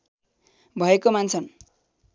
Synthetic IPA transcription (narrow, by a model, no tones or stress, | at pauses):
bʱʌekomant͡sʰʌn